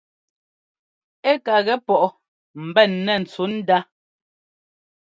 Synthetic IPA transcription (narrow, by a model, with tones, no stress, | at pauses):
e˦ka˨ɣɛ˦pɔ˦˨ʔɔ˨ | m̩˨bɛ˦˨nːɛ˦˨n̩˨t͡su˨˦n̩˦da˦